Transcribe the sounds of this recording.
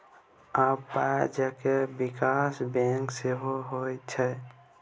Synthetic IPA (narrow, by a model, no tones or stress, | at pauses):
apːad͡ʒakebikasbɛ̃ŋkseɦoɦojt͡ʃʰɛ